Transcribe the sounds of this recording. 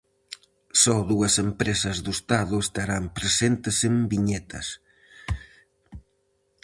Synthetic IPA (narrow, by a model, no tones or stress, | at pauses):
sɔðuɐsempɾesɐzðʊest̪aðʊest̪aɾampɾesent̪ɪsembiɲɛt̪ʰɐ̰s